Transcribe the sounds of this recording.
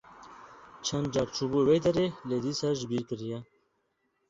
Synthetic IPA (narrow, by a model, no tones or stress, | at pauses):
t͡ʃʰɐnd̪d͡ʒaɾt͡ʃʰubuwejd̪ɐɾeled̪isaʒbiɾkəɾija